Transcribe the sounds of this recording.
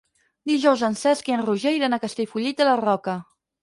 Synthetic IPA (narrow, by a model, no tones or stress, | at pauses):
d̪iʒɔwzənsɛskeənruʒejɾənakəst̪eʎʲfuʎit̪̚ələrɔkə